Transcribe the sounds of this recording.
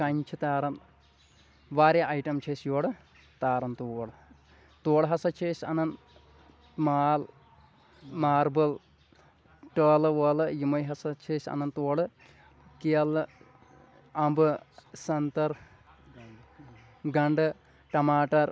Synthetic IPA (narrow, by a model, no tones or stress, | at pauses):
kɐɲt͡ʃʰɨt̪aːɾɐn | ʋaːɾeʔɐjʈɐmt͡ʃʰeːsjoːɽɨ | t̪aːɾɐnt̪uːɽɨ | t̪oːɽɨɦɐsɐt͡ʃʰeːsɐ̰nɐn | maːl | maːɾbɐl | ʈɐːlɨʋɐːlɨjimɐjɦɐsɐt͡ʃʰeːsɐ̰nɐnt̪oːɽɨ | kiɐlɨ | ɐmbɨsɐnt̪ɐɾ | ɡɐɳɖɨ | ʈɐmaːʈɐɾ